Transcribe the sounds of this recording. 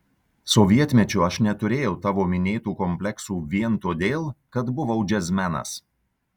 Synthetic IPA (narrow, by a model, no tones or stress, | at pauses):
sɔʋʲiɛt̪ʲmʲɛt͡ʃʲʊɐʃnʲɛt̪ʊɾʲeːjɛʊt̪ɑːʋoːmʲɪnʲeːt̪uːkɔmʲpʲlʲɛksuːʋʲiɛnt̪oːd̪ʲeːlˠkɐt̪bʊʋɐʊd͡ʒʲɛzʲmʲænɐ̰s